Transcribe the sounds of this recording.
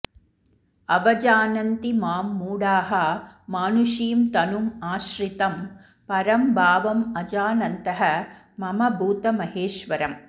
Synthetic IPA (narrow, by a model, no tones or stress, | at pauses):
ɐʋɐd͡ʒaːnɐnt̪imaːmːuːɽaːɦɐmaːnuʃiːmt̪ɐnumaːʃɾit̪ɐm | pɐɾɐmbʱaːʋɐmɐd͡ʒaːnɐnt̪ɐɦɐ | mɐmɐbʱuːt̪ɐmɐɦeːʃʋɐɾɐm